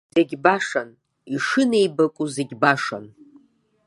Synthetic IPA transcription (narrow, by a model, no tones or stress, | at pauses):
zeɡʲbaʂan | iʂɨne̞jbakʷʼuzeɡʲbaʂa̰n